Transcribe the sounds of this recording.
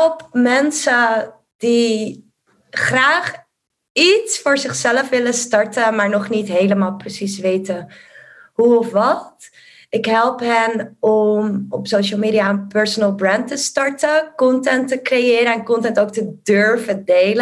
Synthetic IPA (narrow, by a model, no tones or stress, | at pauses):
ɛlˠpmɛnsə | d̥i | χraːχ | itsfʊːɹzɪχsɛləfʋɪləstɑɹtəmaːɹnɔχnitɦejləmaːlˠprəsisʋejtə | ɦuɔfʋɑt | ɪkɦɛlˠpɦɛnɔmɔpsowʃəlˠmiːdijaəpɛɹsɔnəlˠbrɛntəstɑɹtəkɔntɛntəkrejɪːɾəɛnkɔntɛntowk̚tədøɹvədejlə